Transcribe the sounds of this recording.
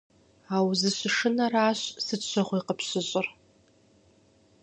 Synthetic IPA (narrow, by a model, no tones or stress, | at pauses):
awzɨɕʷʂɨnaraːɕsɨt͡ʃʷʰaχʷiqəpʰɕɨɕʼɪr